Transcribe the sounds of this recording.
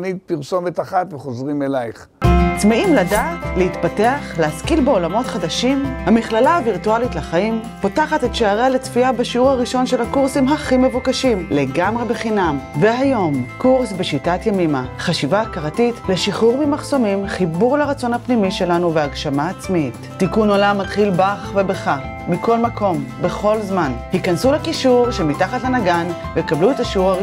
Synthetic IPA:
nit̪̚piʁso̞metaχat̪veχozʁimelajχ | t͡smeimladaːtleitpateaχleaskilbe̞o̞lamo̞tχadaʃimhamiχlalaːviʁtualitlaχaim | potaχatetʃeaʁalet͡sfiabaʃiuʁhaʁiʃo̞nʃe̞lakuʁsimɦaχime̞vukaʃimle̞ɡamʁe̞be̞χinamveɦajo̞mkuʁsbeʃitatjamimaχaʃivaːkaʁatitleʃiχuʁmimaχso̞mimχibuʁleʁat͡so̞nhapnimiʃe̞lanuveaɡʃamaːt͡smiit | tːikunolamːatχilbaχvebeχa | miko̞lmako̞mbe̞χo̞lzmanhikansulekiʃuʁʃemitaχatlanaɡan | vejkabluetaʃiuʁaʁi

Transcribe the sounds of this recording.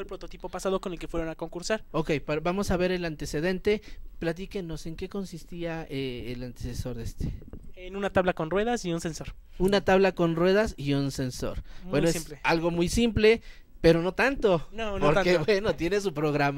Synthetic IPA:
elpɾot̪ot̪ipo̞pasað̞oko̞ne̞lkefweɾo̞nako̞ŋkuɾsaɾokejpabamo̞saβe̞ɾe̞lant̪e̞se̞ð̞e̞nt̪e̞plat̪̬ike̞no̞se̞ŋke̞ko̞nsist̪iaeelant̪eseso̞ɾðest̪e̥enunat̪aβlakonrwe̞ðasiunse̞nso̞ɾ | unat̪aβlako̞nrwe̞ð̞asiunse̞nso̞̰ɾbwenoeimlealɣo̞mujsimple̞ | pe̞ɾo̞no̞t̪ant̪o̞nonpoɾkebwe̞no̞t̪je̞nes̬upɾo̞ɣɾama

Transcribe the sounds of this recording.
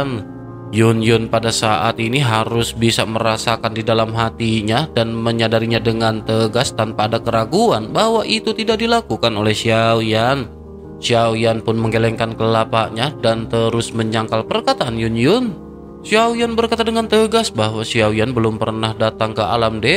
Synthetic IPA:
n | jʊnjʊnpadasaʔat̪iniɦaɾʊsbisaməɾasakandidalamɦat̪iɲadanməɲadaɾiɲadəŋant̪əɡast̪anpaːdakəɾaɡuanbahwaʔit̪ut̪idak̚dilakukanolɛhsiawian | siawianpʊnməŋɡelɛŋkankəlapaʔɲadant̪əɾʊsməɲaŋkalpərkat̪aʔanjʊnjʊn | siawianbərkat̪adəŋant̪əɡasbaɦwasiawianbəlʊmpərnahdat̪aŋkəa̰lamdɛ

